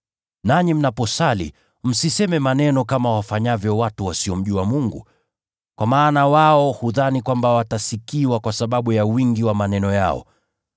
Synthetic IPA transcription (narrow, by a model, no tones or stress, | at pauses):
naɲim̩napɔsalḭ | m̩sisɛmɛmanɛnɔkamawafaɲavjɔwatuwasiɔm̩ʄuwamuŋɡṵ | kwamaːnawaɔhuðanikwambawatasikiwakwasaɓaɓujawiŋɡiwamanɛnɔja̰ɔ̰